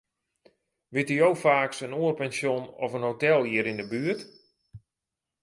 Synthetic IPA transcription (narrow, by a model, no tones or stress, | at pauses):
ʋɪtijowfaːksənoːərpɛnsjonɔfənɦowtɛlˠiəɾɪndəbyərt